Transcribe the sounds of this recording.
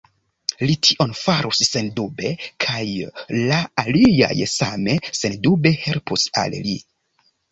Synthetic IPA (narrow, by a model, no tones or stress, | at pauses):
litʰiʔo̞nfaɾusse̞ndube̞kʰajlaːlia̰jsame̞se̞ndube̞he̞lpusa̰llḭ